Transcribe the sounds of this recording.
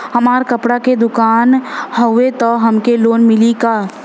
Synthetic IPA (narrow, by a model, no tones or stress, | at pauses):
hɐmaːɾkɐpɽaked̪ʊkaːnɦəʊʋet̪ɔɦɐmkeloːnmɪlikaː